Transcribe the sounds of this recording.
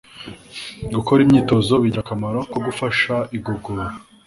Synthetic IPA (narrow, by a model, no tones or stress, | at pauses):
ɡukoɾimɲiːto̞zo̞βiɟakamaɾokoɡufaʃaʔiɡoɡoa